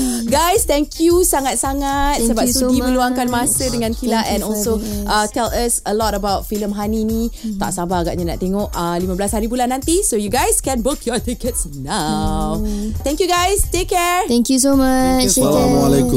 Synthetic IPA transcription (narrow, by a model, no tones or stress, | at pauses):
ɡajst̪ɛ̃ŋkʰjusaŋat̪̚saŋat̪̚səbap̚ssɡimə̃luaŋkanmasədəŋãnkilaʔɛ̃nɔlsoʔət̪ɛləsəlɔtəbawt̚filəmɦaninĩt̪a̰ʔsabaaɡaʔɲana̰ʔt̪eŋɔʔəlimablashaɾibulanːãnt̪isojuɡajskɛ̃nbokʰjɔt̪ikət̚snawt̪ɛ̃ŋkjuɡajstekːɛɹt̪ɛŋkjusoma | alek